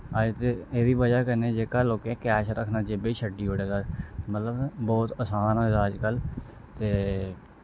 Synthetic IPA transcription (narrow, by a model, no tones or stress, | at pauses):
aːd͡ʒt̪eːeːʋiːbəd͡ʒaːkəneːd͡ʒeːkaːloːkeːkɛːʃɾəkʰnaːd͡ʒeːbeiːʃʰəɖiːɦoːɽeːd̪aːmət̪ləbbɔːt̪əsaːnəzaːd͡ʒkəl | t̪eː